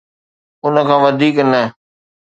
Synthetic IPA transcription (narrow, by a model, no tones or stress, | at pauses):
ʊnəkʰãːʋɐd̪ʱiːknə